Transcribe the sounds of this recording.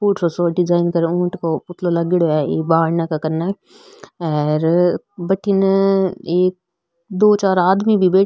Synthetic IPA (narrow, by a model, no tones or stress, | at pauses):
puːʈosoɖɪd͡ʒaːɪnkɐɾũːʈkopʊt̪ʰlolaɡɪɽoɛːeːbaːɾnakakɐɾna | ɛːɾ | bɐʈʰinɐeːk̚ | d̪oːt͡ʃaːɾaːd̪mibʱibeː